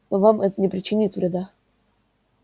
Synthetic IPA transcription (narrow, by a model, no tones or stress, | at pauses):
novamʔɛt̪ənʲɪpɾʲɪt͡ɕːɪnʲit̪vɾʲɪd̪a